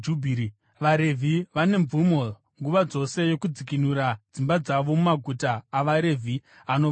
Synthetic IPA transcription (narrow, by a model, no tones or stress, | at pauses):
d͡ʒubʱi | ʋaɾe̞vʱiʋane̞mumo̞ | ŋɡuʋad͡zo̞se̞jo̞kud͡zik̬inuɾad͡zimbad͡zaʋo̞mumaɡʱutaːʋaɾe̞vʱi | ano